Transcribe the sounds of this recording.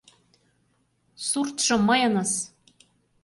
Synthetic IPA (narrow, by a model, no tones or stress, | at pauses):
surt̪ʂɤ̆mɤ̆jɤ̆nɤ̆s